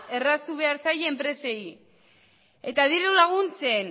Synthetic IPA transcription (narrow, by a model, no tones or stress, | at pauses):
e̞rast̪uβe̞aɾsajeempɾe̞se̞i | e̞t̪aðiɾulaɣ̞unt͡sen